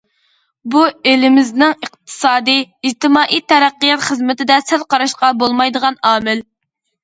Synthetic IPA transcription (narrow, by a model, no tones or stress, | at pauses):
buelɪmɪznɪŋəqt̪ʰɨ̥sɑːd̪ɨid͡ʒt̪ɪmɑːʔiːt̪ʰːɛɾæqːijɑt̪χəzmɪt̪ɪd̪ɛsælqɑɾɑʃqɑbolˠmɑjd̪əʁɑnɑːmɪl